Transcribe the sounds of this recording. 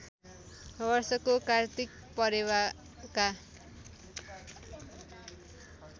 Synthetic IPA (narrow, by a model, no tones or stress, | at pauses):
bʌrsʌkokart̪ik̚ | pʌɾewa | ka